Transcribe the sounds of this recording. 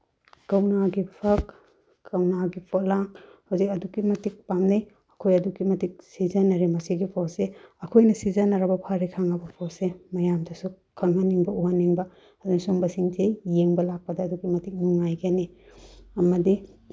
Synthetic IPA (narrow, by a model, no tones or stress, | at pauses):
kɐwnaɡipʰɐk | kɐwnaɡipʰolaŋhawzikɐdukːimɐtik̚pamnej | ɐkʰojɐdukimɐtik̚sizɐnɐɾimɐsiɡipʰɔseɐkʰojnɐsizanɐɾɐbɐpʰaɾikʰaŋɐbɐpʰosemɐjamdɐsu | kʰɐŋɦaniŋbɐuhanːiŋbɐ | ɐduŋsoŋbɐsiŋtʰejeŋbɐlak̚pɐdɐːduɡimɐtik̚niŋajɡeni | ɐmɐdi